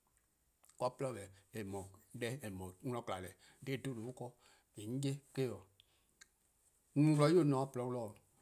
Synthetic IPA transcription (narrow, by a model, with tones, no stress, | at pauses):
kɔ˦plɔ˦˨bɛ˨e˨mɔ̃˨˦dɛ˦e˨mɔ̃˨˦ŋ˦lɔ̃˦kla˨lɛ˨˦de˦˨do˦no˨o˦kɔ˦ | e˨ŋ̩˦je˦ke˦ɔ˨˦ | nũ˨wlɔ˦o˦˨nɔ̃˨a˦˨plɔ˨˦wlɔ˦˨